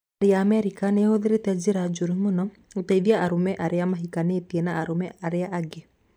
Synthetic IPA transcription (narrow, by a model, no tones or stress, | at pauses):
aɾeaːmɛɾikanehoðeɾetɛd͡ʒeɾad͡ʒoɾumonɔ | oteiðjaʔaɾomɛʔaɾeamaɦikanetiɛnaːɾomɛaɾeaʔaɡe